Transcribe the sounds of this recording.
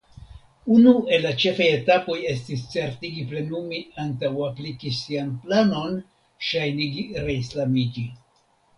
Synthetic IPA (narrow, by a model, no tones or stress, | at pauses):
unue̞lːat͡ʃe̞faje̞tapo̞je̞stist͡se̞ɾtiɡiple̞numiantawaplikisianplano̞n | ʃajniɡiɾe̞islamid͡ʒi